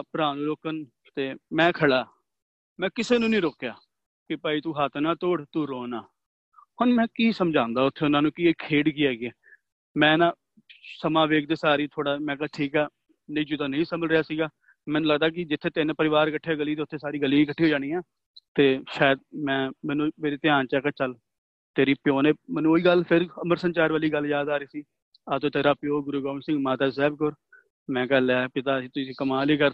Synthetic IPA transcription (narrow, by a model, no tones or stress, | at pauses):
pʊɾãːnũːloːkən | t̪eːmɛ̃ːkʰəɽaː | mɛ̃ːkɪseːnũːnĩːɾoːkjaː | kɪpaːiːt̪ũːɦaːt̪ʰnaːt̪oːɽt̪uːɾoːnaː | hʊnmɛ̃ːkiːsəmd͡ʒãːnd̪aːʊt̪ʰːeːʊnãːnũːkieːkʰeːɖkiːɛːɡiɛː | mɛ̃ːnãː | səmãːʋeːk̚ʰd̪eːsaːɾiːt̪ʰoːɽaːmɛ̃ːkaʈʰiːkɛː | nə̃iːd͡ʒud̪aːnə̃ĩːsəmbəlɾɪjaːsiːɡaː | mɛ̃ːnũːləɡd̪aːk̬ɪd͡ʒɪt̪ʰːeːt̪eːnẽːpəɾɪʋaːɾkəʈʰːaːɡəliːt̪eʊt̪ʰːeːsaːɾiːɡəliːiːkəʈʰːiːɦoːd͡ʒaːɽiːaː | t̪eːʃaːjəd̪̚mɛ̃ːmɛ̃ːnũːmeːɾeːt̪ɪãːnt͡ʃɛːkaːt͡ʃəl | t̪eːɾiːpɪjoːneːmɛ̃ːnũːoːiːɡəlpʰɪɾəməɾsənt͡ʃaːɾʋaːliːɡəljaːd̪aːɾiːsiː | aːt̪õːt̪eːɾaːpɪjoːɡʊɾuːɡaːʋəɳsɪ̃ŋɡmaːt̪aːs̬ɛːbkʊɾ | mɛ̃ːkəːlɛːpɪt̪aːiːt̪ʊiːkəmaːliːɡəɾ